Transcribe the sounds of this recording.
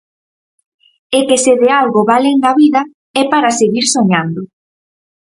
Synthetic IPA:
ekeseðealɣʊβaleŋɡaβiðɐ | ɛpaɾaseɣiɾsoɲand̪ʊ

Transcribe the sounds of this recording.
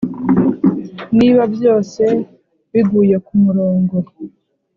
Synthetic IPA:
niβabjo̞ːse̞ | βiɡuːjekumuɾo̞ːŋɡo

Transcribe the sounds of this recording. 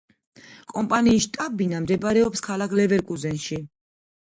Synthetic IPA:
kʼɔmpʼaniːsʃt̪ʼabinamd̪ɛbɾɛɔpskʰalakʰlɛvɛɾkʼuzɛnʃi

